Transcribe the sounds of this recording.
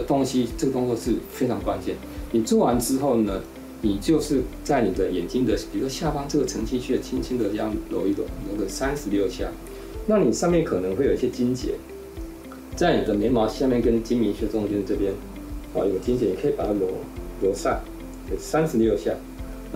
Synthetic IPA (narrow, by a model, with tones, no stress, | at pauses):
t̪ʊ˥ŋɕi˥ʈ͡ʂɤ˥˩ɡə˩t̪ʊ˥ŋt͡swɔ˥˧ʂɻ̩˥˩fe˥ɪʈ͡ʂʰɑ˧˥ŋkwa˥nt͡ɕjɛ˥˩n | ni˨˩t͡swɔ˥˩wa˧˦˥nʈ͡ʂɻ̩˥xo˥˩ʊnə˨ | ni˨˩t͡ɕjo˥˧ʊʂɻ̩˥˧t͡sa˥˩ɪni˨˩d̪ə˦jɛ˨˩nt͡ɕi˥ŋd̪ə˨t͡ɕi˨˧˥kə˥˧ɕja˥˩fɑ˥ŋʈ͡ʂɤ˥˩ɡə˨˩ʈ͡ʂʰɤ˧˥ŋɕʰi˥˧t͡ɕʰɛ˥˩˨t͡ɕʰi˥nt͡ɕʰi˥ŋd̪ə˨ʈ͡ʂjɑ˥˩ŋljo˧˥ʊi˥˩t̪wə̰˨˩n˩ljo˧˥ʊkə˨˩sa˥nsɹ̩˧˥ljo˥˧ʊɕja̰˥˩ | na˥˩˨ni˨˩ʂɑ˥˧ŋmjɛ˥˩nkʰɤ˨˩nə˧˦ŋxwe˥˩jo˨˩˨i˧˩ɕʲjɛ˥t͡ɕi˥nt͡ɕjɛ̰˧˥˦ | t͡sa˥˩ɪni˨˩d̪ə˦ne˧˥ɪmɑ˧˥ʊɕja˥˧mjɛ˥˨nkə˥nt͡ɕi˥mi˧˥nɕɛ˥˧˥t͡ɕjɛ˥˧ʈ͡ʂɤ˥˧˩pjɛ˥n | a̰˨˥˩jt͡ɕi˥nt͡ɕjɛ˧˥ni˨˩kʰɤ˧˥i˨˩pa˨˩t̪ʰa˧˥˩ljo˧˥ʊljo˧˥sa̰˥˩ | kʰe˨˩sa˥nsɹ̩˧ljo˥˧ʊɕja̰˥˩ | n˥˩